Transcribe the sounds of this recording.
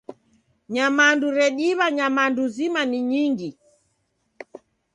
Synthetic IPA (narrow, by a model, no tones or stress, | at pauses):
ɲamanduɾɛɗiβaɲamanduzimaniɲiŋɡi